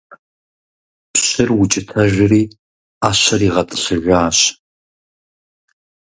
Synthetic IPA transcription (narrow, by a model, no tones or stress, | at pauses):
pɕɨrwʊt͡ʃʼɪtʰɐʒʷɪriː | aːɕɐriːʁɐtʼɨɬɨʒʷaːɕ